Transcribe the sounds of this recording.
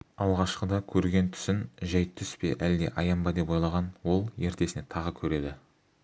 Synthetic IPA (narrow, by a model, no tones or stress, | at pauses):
ɑlˠʁɑʃqəd̪ɑkʲʰɵɾɡʲe̞nt̪ʰʏ̥sɪnʒæjt̪ʰʏspe̞̰ʔæld̪e̞̰ʔɑjɑmbɑd̪e̞pojlˠɑʁɑnwo̞lˠje̞ɾt̪e̞sɪne̞t̪ʰɑʁəkʲʰɵɾe̞d̪ɪ